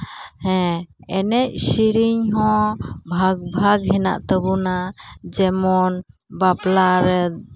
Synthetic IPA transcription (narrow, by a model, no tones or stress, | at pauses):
hɛ̃ɛnɛc̚siɾiɲɦɔ̃bʱaɡbʱaɡɦɛna̰ʔt̪əbunad͡ʒɛmɔnbaplaɾɛ